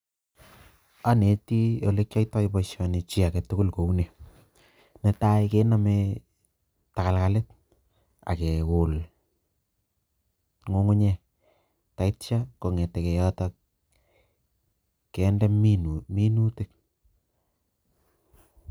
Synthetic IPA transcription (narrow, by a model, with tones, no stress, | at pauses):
a˦ne˨ti˦jo˨le˦k̚t͡ʃa˦ita˦kipɔʃɔni˨t͡ʃi˦a˨kɛtu˦ku˦lko˨une˨ | nɛ˨ta˦ike˦na˦me | ta˨ka˨lka˨lɪ˦t̚ | a̰˨kɛ˨kʊl | ŋo˦ŋʊ˦ɲɛ˨ | ta˨i˦tt͡ʃa˦ko˨ŋɛ˨tɛ˨kɛ˨jɔ˦ta | kɛndɛ˦mi˦nu˦tɪ˨k̚